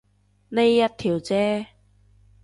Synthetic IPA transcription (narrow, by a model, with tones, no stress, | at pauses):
ne˧jːɐ˧t̚t̪ʰiː˨˩wt͡sɛː˧